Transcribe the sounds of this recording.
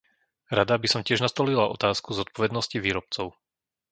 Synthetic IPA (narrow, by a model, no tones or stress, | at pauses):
ɾad̪abisɔmcɪɛʒnast̪ɔlilaɔt̪aːskuzɔt̪̚pɔʋɛd̪nɔsciʋiːɾɔp̚t͡sɔʊ